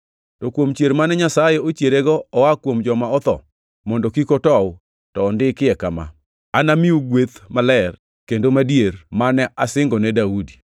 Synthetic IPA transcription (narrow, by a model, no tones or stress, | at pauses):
tɔkwomt͡ʃjeɾmanɛɲasajɛot͡ʃjeɾeɡɔɔwakwomd͡ʒɔmaɔt̪ɔ̰ | mɔndɔkikotɔw | tɔːndɪkɪɛkama̰ | anamiuɡwet̪malɛr | kendomadjermanɛʔasɪŋɡɔnɛdaudi